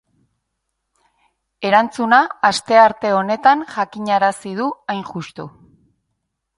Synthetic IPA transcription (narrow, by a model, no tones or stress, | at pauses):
e̞ɾant͡sunaːst̪e̞aɾt̪e̞o̞ne̞t̪anʝakiɲaɾasið̞uajnʝust̪u